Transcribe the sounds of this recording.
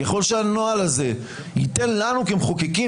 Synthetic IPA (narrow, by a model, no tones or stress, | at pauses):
jaχo̞lʃeano̞alaze̞ | jit̪e̞nlanukemχokeki